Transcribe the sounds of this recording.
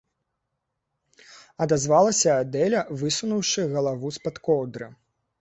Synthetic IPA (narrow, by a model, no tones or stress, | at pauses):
ɐd̪azvalˠɐsʲɐad̪ɛlʲɐvɨsunuwʂɨɣɐlˠavuspat̪kɔwd̪ɾɨ